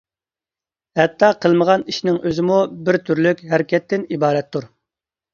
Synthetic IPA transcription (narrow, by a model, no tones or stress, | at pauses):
hɛt̪ʰːɑqʰəlˠməʁɑniʃnɪŋʔøzɪmubɪɾt̪ʰyɾlykʲɦæɾɪkʲɛt̪ʰːɪnibɑːɾɛt̪ʰːuɾ